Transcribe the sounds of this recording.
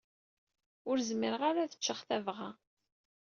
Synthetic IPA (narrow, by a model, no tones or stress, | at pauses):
ʊɾzməɾəʁaɾaθə̥t͡ʃːəχθævʁa